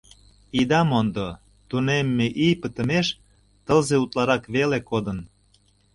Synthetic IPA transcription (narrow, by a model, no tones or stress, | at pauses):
id̪ɑmond̪o | t̪unemːeʔijpət̪ə̆meʃ | t̪əlzeut̪lɑɾɑkβelekod̪ən